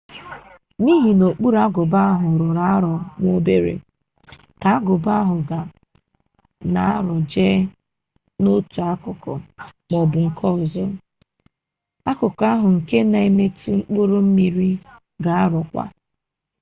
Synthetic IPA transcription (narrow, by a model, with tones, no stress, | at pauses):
ni˦ɦi˨no˨k͡pu˦ɾa˦ɡʊ˨ba˦ɦʊ˨ɾʊ˨ɾa˦ɾɔ˨ŋʷo˦be˦ɾḛ˨ | ka˨a˦ɡʊ˨ba˦ɦʊ˨ɡa˨ | na̰˨a˦ɾɔ˨d͡ʒe˦ | no˦tu˨a˦kʊ˨kɔ̰˨mɔ˨bʊ˨ŋ̩˨kʰɔ˦˨zɔ˦ | a˦kʊ˨ka˦ɦʊ˨ŋ̩˨ke˦na˨e˦me˦tu˦ŋ͡m̩˦k͡pu˦ɾʊ˦m̩˦mi˨ɾi˦ | ɡa˨a˦ɾɔ˨kʷa̰˦